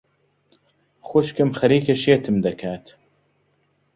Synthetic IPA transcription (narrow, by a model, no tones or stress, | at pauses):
xʊʃkɨmxɐɾiːkʰeʃeːt̪ʰɨmd̪ɐkʰaːt̪